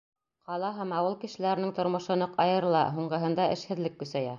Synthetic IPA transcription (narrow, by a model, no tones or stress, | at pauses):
qɑlˠɑɦæmɑwɤlˠkɘ̆ʃɘ̆læɾɘ̆nɘŋt̪ŏɾmɤ̆ʃɤ̆nɤqɑjɤ̆ɾɤlˠɑ̰ɦuɴɢɤ̆ɦɤ̆nd̪ɑʔɘ̆ʃhɘ̆ðlɘkːɵ̆sæjæ